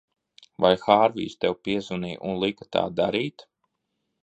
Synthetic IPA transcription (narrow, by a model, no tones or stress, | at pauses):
vajxaːɾvḭːst̪ɛwpiɛzuniːʔunlˠikḁt̪a̰ːd̪aɾiːt̪